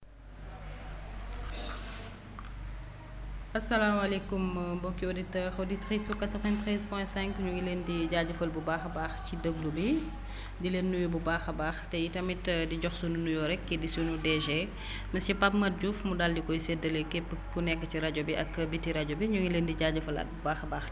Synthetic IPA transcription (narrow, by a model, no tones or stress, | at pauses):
ɐsːɐlaːmɐlɛkumbɔkːioditɛːɾoditɾisfukat̪ɔɣɛnt̪ɾispɔjsɛ̃ŋkɲuŋilendiɟaɟəfɐlbubaːxbaːxcidəblubi | dileːnːuwibubaːxɐbaːxtɛjitɐmitdiɟɔxsununujɔɾɛkːɛdisunudɛʒɛ | mɐscipap̚mɐt̚ɟufmudaldikɔjsɛdɐlekɛpːəkːunɛkːəciɾɐɟobiʔɐkːbitːiɾɐɟobiɲuŋileːndiɟaɟɐfɐlɐ̰t̚bubaːxbaːx